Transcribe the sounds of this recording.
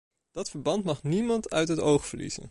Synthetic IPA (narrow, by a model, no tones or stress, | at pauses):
d̥ɑtfəɹbɑntmɑχnimɑntœ̰ɥtɦətowχfəɹlḭz̥ə̰n